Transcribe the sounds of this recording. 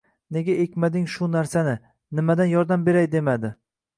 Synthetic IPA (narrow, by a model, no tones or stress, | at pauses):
ne̞ɡʲaʔe̞kʲmad̪ɪŋʃʊnaɾsanɪ | nɪmad̪anjɒɾd̪ambe̞ɾajd̪e̞mad̪ɪ